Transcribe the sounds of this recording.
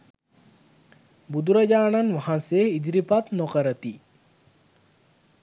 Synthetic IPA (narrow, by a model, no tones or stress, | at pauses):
bud̪uɾɐd͡ʑaːnanʋaɦãnseid̪iɾipat̪nokəɾət̪i